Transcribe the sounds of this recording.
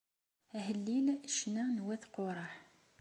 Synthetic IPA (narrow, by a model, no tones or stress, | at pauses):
æhəlːinʃnænwæθqoɾˤɑħ